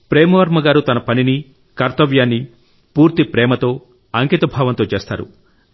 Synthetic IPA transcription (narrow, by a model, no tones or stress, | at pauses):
pɾeːmɐʋɐɾmɐɡaːɾut̪ɐnɐpɐnini | kɐɾt̪ɐʋjaːnːi | puːɾt̪ipɾɛːmɐt̪o̞ː | ɐŋkit̪ɐbʱaːʋɐnt̪o̞ːt͡ʃeːst̪a̰ːɾṵ